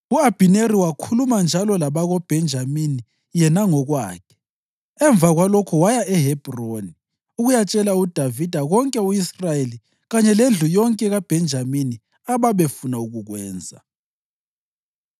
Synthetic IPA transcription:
uab̥ʱineɾiwakʰulumand͡ʒʱalɔlaβaɣɔb̥ʱɛnd͡ʒʱamini | jɛnaŋɔɣwa̰ːkʰɛ̥ | ɛɱvʱaɣwalɔkʰɔwajaɛɦɛb̥ʱroni | uɣujat͡ʃʼɛlaud̥ʱavid̥ʱaɣɔŋkʼɛuisrajeli | ɣaɲɛlend͡ɮʱujɔŋkʼɛɣab̥ʱɛnd͡ʒʱamini | aβaβefunauɣuɣwɛ̰ːnd͡zʱa̰

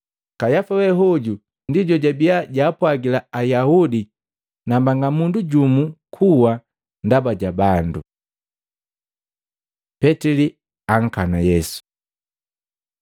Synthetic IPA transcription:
kajafawɛɦɔɟu | ndiɟɔɟabiaɟaːpwaɡilaajahudi | nambaŋɡamunduɟumukʰuwa | ndabaɟabandu | pɛtɛli | aŋ̩kanajɛsu̥

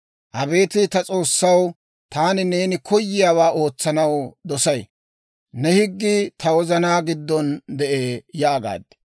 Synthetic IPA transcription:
ʔɐbe̞ːt̪ɪt̪ɐt͡sʼo̞ːsːɐw | t̪aːnɪne̞ːnɪkʰɔjːɪjaːwaːʔo̞ːt͡sːɐnɐwd̪ɔsɐj | nɛhɪɡːɪt̪ɐwɔzɐnaːɡɪd̪ːɔnd̪ɛʔeːjaːɡa̰ːd̪ɛ̥

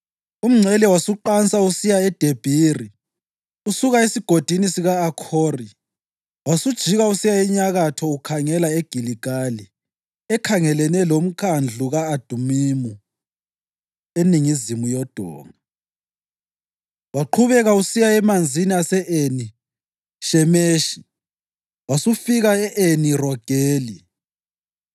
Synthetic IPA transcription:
um̩ŋ͡ǀʱɛlɛwasuǃant͡sausijaɛd̥ʱeb̥ʱiri | usuɣaesiɡ̥ʱod̥ʱinisiɣaːkʰoːri | wasud̥ʒ̥ʱiɣausijaiɲaɣatʰɔukʰaŋɛlaeɡ̥ʱiliɡ̥ʱali | ɛkʰaŋɛlɛnɛlom̩kʰand͡ɮʱuɣaːd̥ʱumimu | eniŋizimujɔd̥ʱɔ̰ːŋa | waǃʰuβɛɣausijaɛmand͡zʱiniasɛʔeni | ʃɛmeːʃi̥ | wasufiɣaɛʔenirɔɡ̥ʱeːli

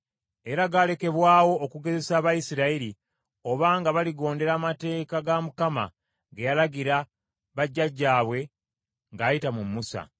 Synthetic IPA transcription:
e̞ɾaɡale̞ke̞βwaːwo̞ːkuɡe̞ze̞saːβajisiɾaiɾi | o̞βaːŋɡaβaliɡo̞ːnde̞ɾaːmate̞ːkaɡamukama̰ | ɡejalaɡiɾa | βaɟːaɟːaːβwe̞ | ŋɡaːjitamumːusa̰

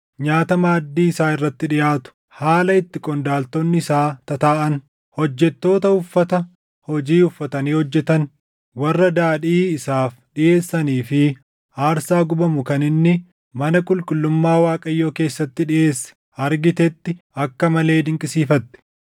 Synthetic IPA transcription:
ɲaːt̪ɐmaːd̪ːiːɪsaːɪrːɐt̪ːɪᶑɪjaːt̪ʊ̥ | haːlɐɪt̪ːɪkʼɔnd̪aːlt̪onːɪɪsaːt̪ɐt̪aːʔɐn | hɔd͡ʒːɛt̪ːo̞ːt̪ɐʊfːɐt̪ɐ | hɔd͡ʒiːʊfːɐt̪ɐniːhɔd͡ʒːɛt̪ɐn | wɐrːɐd̪aːᶑiːɪsaːfɗɪʔe̞ːsːɐniːfɪ | aːɾsaːɡʊbɐmʊkɐnɪnːɪ | mɐnɐkʼʊlkʼʊlːʊmːaːwaːkʼɐjːoːke̞ːsːɐt̪ːɪᶑɪje̞ːsːɛ̥ | ɐɾɡɪt̪ɛt̪ːɪ | ɐkːɐmɐle̞ːd̪ɪŋkʼɪsiːfɐt̪ːɛ̥

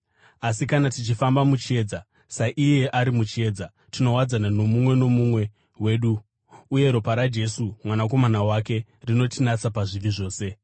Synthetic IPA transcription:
as̬ikanatit͡ʃifambamut͡ʃe̞ːd͡za | saʔije̞ʔaɾimut͡ʃe̞ːd͡za | tino̞wad͡zanano̞mumwe̞no̞mumwe̞ | we̞ːɗuː | je̞ɾo̞paɾad͡ʒe̞sumwanak̬o̞manawake̞ | rino̞tinat͡sapaʐiʋiʐo̞ːse̞

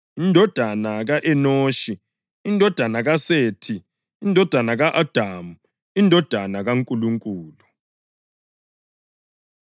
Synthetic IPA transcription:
indʱɔd̥ʱanaɣaʔɛnoːʃi | indʱɔd̥ʱanaɣaseːtʰi | indʱɔd̥ʱanaɣaʔad̥ʱamu | indʱɔd̥ʱanaɣaŋkʼuluŋkʼuːlu

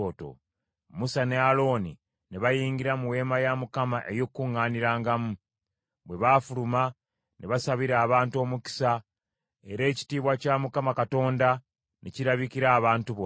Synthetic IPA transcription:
oto̰ | musane̞alo̞ːni | neβajiːŋɡiɾamuwe̞ːmajamukamaʔe̞jokːuŋːaːniɾaːŋɡamu | βwe̞βafuluma | neβasaβiɾaːβaːntuo̞ːmuki̥sa | e̞ɾe̞ːci̥tiːβwacamukamakato̞ːnda | neciɾaβikiɾaːβaːntuβo

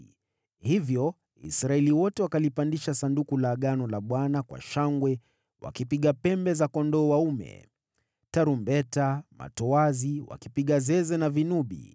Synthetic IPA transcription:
hivjɔ | ḭsɾaɛliwɔtɛwakalipandiʃasandukulaɠanɔlaɓwanakwa̰ʃaŋɡwɛ | wa̰kipiɠapɛmbɛzakɔndɔːwaumɛ̰ | taɾumbɛtama̰tɔwaziwa̰kipiɠazɛzɛnavinuɓḭ

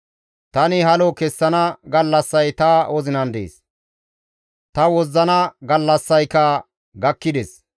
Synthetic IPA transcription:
t̪ɐnɪhɐlɔkɛsːɐnɐɡɐlːɐsːɐjt̪ɐwɔzɪnɐnd̪ḛːs | t̪ɐwɔzːɐnɐɡɐlːɐsːɐjkɐ | ɡɐkːɪd̪ɛs

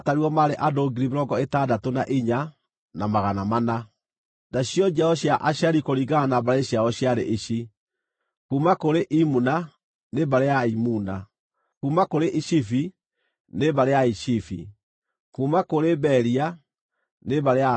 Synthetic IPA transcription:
ataɾiɔmaɾeʔadoːɡiɾimeɾɔŋɡɔetaːdatonaʔiɲa | namaɣanamana | daɕjɔd͡ʒaɔɕjaʔaɕaɾikoɾiɡaanabaɾeɕjaɔɕjaɾḛʔiɕi | kumakoɾeʔimuna | nebaɾejaimuna | kuːmakoɾeʔiɕifi | nebaɾejaiʃifḭ | kuːmakoɾebɛɾia | neβaɾea

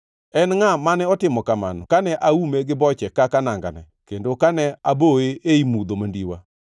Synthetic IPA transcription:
ɛnŋamanɛɔtɪmɔkama̰nɔ̰kanɛʔaumeɡɪbɔt͡ʃɛkakanaŋɡa̰nɛ̰kendokanɛaboweʔeimud̪omandiwa̰

